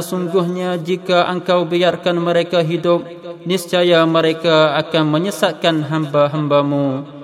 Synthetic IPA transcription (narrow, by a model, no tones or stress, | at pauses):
əsuŋɡʊhɲad͡ʒikaʔəŋkawbijarkanməɾekaɦidʊp̚ | nɪst͡ʃajaməɾekaakanməɲəsat̪̚kanɦambaɦambamu